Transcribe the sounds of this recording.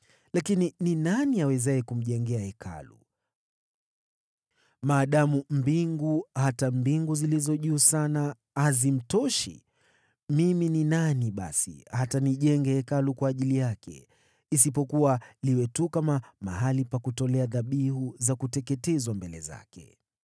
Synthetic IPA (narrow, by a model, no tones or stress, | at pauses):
lakinininaniawɛzaɛkum̩ʄɛŋɡɛahɛkʰa̰lṵ | maːɗamum̩biŋɡuhatambiŋɡuzilizɔʄuːsana | hazim̩tɔʃḭ | mimininaniɓa̰sḭhataniʄɛŋɡɛhɛkalukwaːʄilijakʰɛ̰ | isipɔkuwaliwɛtukamama̰ɦalipakutɔlɛaðaɓiɦuzakutɛkɛtɛzwambɛlɛ̰za̰kɛ̰